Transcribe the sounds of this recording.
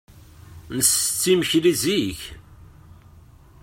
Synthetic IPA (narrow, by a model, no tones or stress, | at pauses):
nəsət͡sːiməçliziç